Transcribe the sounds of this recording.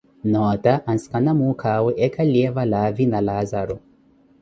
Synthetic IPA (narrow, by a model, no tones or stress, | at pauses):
notaʔanskanamukʰaweʔekʰalievalavinalazaɾo